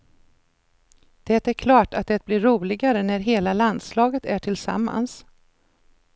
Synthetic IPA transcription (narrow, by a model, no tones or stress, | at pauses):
d̪̥ɛːt̪æɾkʰlɑːʈat̪̚d̪ɛt̪̚blɪɾuːlɪɡaɾənæɾɦeːlaland̪slɑːɡət̪ʰæʈʰɪlsa̰mːa̰ns